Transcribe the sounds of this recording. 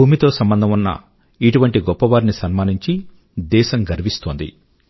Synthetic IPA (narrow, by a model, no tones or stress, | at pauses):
uːmit̪o̞ːsɐmbɐnd̪ʱɐmunːɐ̰ | iʈuʋɐɳʈiɡɔpːɐʋaːɾnisɐnmaːniɲt͡ʃi | d̪ɛːʃɐmɡɐɾʋist̪oːnd̪ḭ